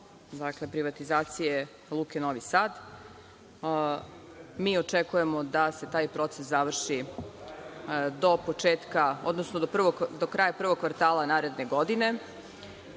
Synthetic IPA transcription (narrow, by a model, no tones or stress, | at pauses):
d̪akle̞pɾiʋat̪izaːt̪sije | lˠukenoʋisaːd̪ | miːot͡ʂekujemo̞d̪ase̞t̪aːjpɾo̞t̪seszaʋr̩ʃi | d̪o̞po̞t͡ʂeːt̪kao̞̰d̪nosnod̪opr̩ʋod̪okɾaːjapr̩ʋoɡ̚kːʋaɾt̪aːlˠanaːɾe̞d̪ne̞ɡo̞d̪ine̞